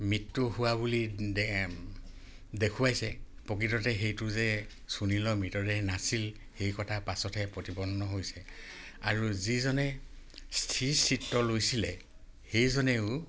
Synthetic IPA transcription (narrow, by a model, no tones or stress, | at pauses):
mitːʊhʊwabuli | dekʰuwajsɛpɔkitɔtɛɦejtʊzɛ | sunilɔmitɔɹɛnasil | hejkɔtʰapasɔtʰɛpɹotipɔnnːɔɦojsɛ | aɹuzizɔnɛ | stʰisitːɔlojsilɛ | hejzɔnɛʊ